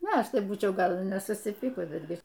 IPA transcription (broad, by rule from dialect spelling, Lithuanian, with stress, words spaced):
ˈnʊ ˈɐʃ ˈtɐɪ ˈbuːt͡ʃʲɛʊ ˈɡɐlˠ ɪ nʲɛsʊsʲɪˈpʲiːkʊs bʲɛdʲˈɡʲɪ